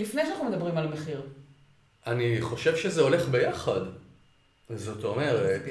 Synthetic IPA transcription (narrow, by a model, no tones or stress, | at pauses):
lifnejʃanaχnumed̪abʁimalameχiʁ | aniχo̞ʃe̞vʃezeo̞le̞χbe̞jaχad̪ | zo̞to̞me̞ʁet